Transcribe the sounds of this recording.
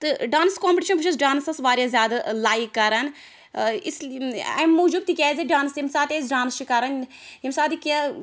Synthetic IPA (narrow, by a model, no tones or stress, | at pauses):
t̪ɨɖaːnskoːmpʲʈiːʃɐnbʱɨʃɐs̬ɖaːnsɐsʋaːɾjazʲjaːd̪alaːikːɐɾɐn | isɐ̰mːuːd͡ʒub̚t̪ikʲaːziɖaːnsimsaːt̪eːs̬ɖaːnst͡ʃikɐɾɐnɦimsaːd̪ikʲː